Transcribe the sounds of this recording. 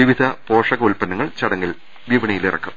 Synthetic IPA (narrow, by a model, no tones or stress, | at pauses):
iʋid̪ʱɐpoːʂɐɣɐulpɐnːɐŋːɐɭt͡ɕɐɽɐŋːil | ʋiʋɐɳɐjilirɐ̰kːum